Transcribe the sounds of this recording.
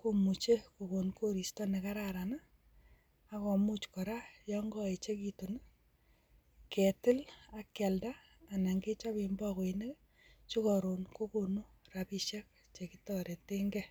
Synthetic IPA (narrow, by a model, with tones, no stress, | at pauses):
ko˦mu˨t͡ʃe˦ko˨ko˨nko˦ɾi˨stɔ˦ne˨ka˦ɾa˦ɾa˨naː˦ | kɔ˨mu˦t͡ʃkɔ˨ɾa˦jɔ˦ŋɡɔ˦e˨t͡ʃe˦ki˦to˨n˦ | ke˨tɪ˦la˨kːɛ˨ldaː˦˨ | na˨ŋɡe˦t͡ʃa˦pi˨mbɔ˦ko˨i˨ne˦k | t͡ʃu˦kɔ˨ɾo˨nko˦ko˨nu˦ra˨pi˦ʃɛ˦k̚ | t͡ʃe˨ki˦tɔɾe˨te˦ŋɡɛ˦